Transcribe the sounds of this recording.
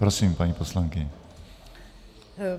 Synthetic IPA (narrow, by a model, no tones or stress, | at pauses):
pɾosimpaɲiposlaŋkɪɲɛ